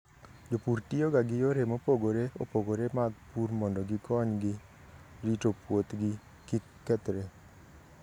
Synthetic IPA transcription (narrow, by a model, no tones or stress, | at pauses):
d͡ʒopuɾtioɡaɡɪjoɾemopoɡoɾeo̰poɡoɾemaɡpuɾmɔndɔɡɪkɔɲɡɪ | ɾitopwot̪ɡɪ | kɪ | kːɛt̪ɾe